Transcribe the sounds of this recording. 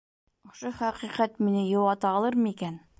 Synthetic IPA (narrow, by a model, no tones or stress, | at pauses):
ŏʃoχæqiqæt̪minɘjowɑt̪ɑɑlˠɤɾmɤikæn